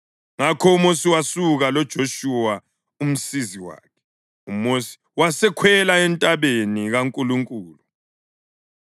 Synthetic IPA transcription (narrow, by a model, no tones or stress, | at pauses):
ŋakʰɔumosiwasuɣalɔd̥ʒ̥ʱoʃuwa | um̩siziwa̰ːkʰɛ̥ | umosi̥ | wasɛkʰwɛlaɛntʼaβeniɣaŋkʼuluŋkʼuːlu